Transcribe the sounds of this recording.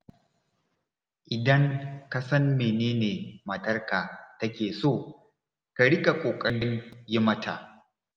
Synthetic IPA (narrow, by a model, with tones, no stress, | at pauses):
ʔɪ˨dɐ˦ŋka˨sɐ˦mːeː˨neː˦neː˨mɐ˨tɐ˦rkaː˨tɐ˦kʲeː˨soː˦˨ | ka˨ɽɪ˦kʼa˨kʷʼoː˨kʼɐ˦ɽɪ˦njɪ˦mɐ˦tʰa̰˨ʔ